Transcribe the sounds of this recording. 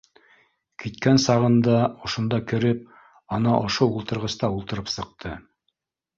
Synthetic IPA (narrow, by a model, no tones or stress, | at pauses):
kit̪̚kænsɑʁɤ̆nd̪ɑŏʃŏnd̪ɑkɘ̆ɾɘp̚ | ɑnɑʔŏʃoulˠt̪ɤ̆ɾʁɤ̆st̪ɑulˠt̪ɤ̆ɾɤpsɤ̆q̚t̪ʰɤ